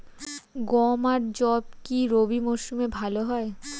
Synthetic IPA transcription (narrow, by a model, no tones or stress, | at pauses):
ɡɔmaɾd͡ʑɔb̚kiɾobimɔʃumebʱaloɦɔe